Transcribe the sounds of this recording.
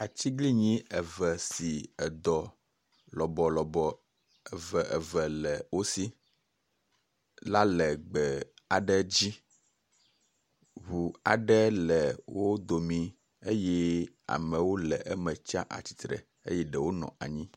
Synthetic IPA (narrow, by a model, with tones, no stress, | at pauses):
a˨t͡ɕi˦ɡli˦ɲĩ˦ɛ˨vɛ˨si˨ɛ˨d̪ɔ˨ | lɔ˨bɔ˨lɔ˨bɔ˨ | ɛ˨vɛ˨ʔɛ˨vɛ˨lɛ˨wo˦si˦ | la˦lɛ˨ɡ͡bɛ˨a˨ɖɛ˦d͡ʑi˦ | ɦu˨a̰˨ɖɛ˦lɛ˨wo˦d̪o˨mĩ˨ | e˦jɛ˦ | a̰˨mɛ̃˨wo˦lɛ˨ʔɛ˦mɛ̃˨t͡ʃa̰˦ʔa̰˨t͡ɕi̥˨t̪ɾɛ̰˨ | ḛ˦jɛ˦ɖɛ˨wo˦nɔ̰̃˨a̰˨ɲĩ˦